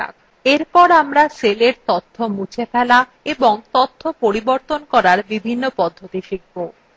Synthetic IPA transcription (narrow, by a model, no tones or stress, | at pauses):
a̰k | eɾpɔɾamɾaseleɾt̪ot̪ʰːomut͡ɕʰefɛla | eboŋt̪ot̪ʰːopoɾiboɾt̪onkɔɾaɾbibʱinːopɔd̪ʱːot̪iʃiɡːo